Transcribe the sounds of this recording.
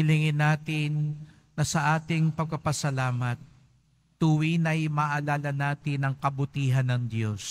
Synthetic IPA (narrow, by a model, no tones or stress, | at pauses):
ɪlɪŋɪnaːt̪ɪnː | ɐsɐʔaːt̪ɪŋpɐɡ̚pɐpɐsɐlaːmɐt̪̚ː | uwinɐjmɐʔɐlaːlɐnaːt̪ɪnɐŋkɐbʊt̪iːɦɐnːɐŋd̪jo̞s